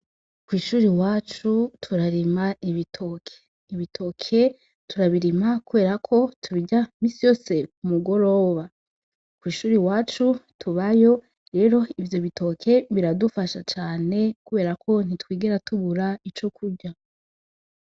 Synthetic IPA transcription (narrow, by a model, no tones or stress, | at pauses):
kwiːʃuːɾiwaːt͡ʃutʰuɾaɾimaiβitʰo̞kʰe̥ | iβitʰo̞kʰe̞ | tuɾaβiɾimakuβe̞ːɾakʰo̞tʰuβiɟamiːsijo̞ːse̞kumuɡo̞ɾo̞ːβa | kwiːʃuːɾiwaːt͡ʃutʰuβajo̞ | ɾe̞ːɾo̞ivjo̞βito̞kʰe̞βiɾadufaʃat͡ʃaːne̞kuβe̞ːɾakʰo̞n̥itwiːɡeɾatuβuɾait͡ʃo̞kuɟa